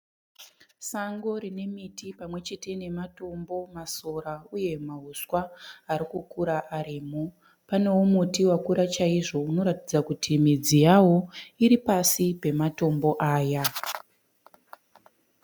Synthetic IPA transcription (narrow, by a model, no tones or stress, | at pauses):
saŋɡo̞ɾine̞mitipamwe̞t͡ʃe̞te̞ne̞mato̞mbo̞masoɾauje̞maɦuswaːɾikukuɾaʔaɾiːmo | pane̞womutiwakuɾat͡ʃaiʐo̞uno̞ɾatid͡zakutʰimid͡zijawo̞iɾipasipe̞mato̞mbo̞ʔaːja